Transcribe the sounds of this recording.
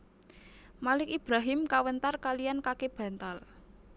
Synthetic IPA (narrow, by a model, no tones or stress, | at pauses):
malɪkib̥ɾaɦɪmkawənt̪arkalijankakeb̥ä̤nt̪al